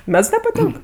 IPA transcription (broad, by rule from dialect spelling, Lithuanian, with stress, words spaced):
ˈmʲɛts nʲɛpɐˈtʲɪŋk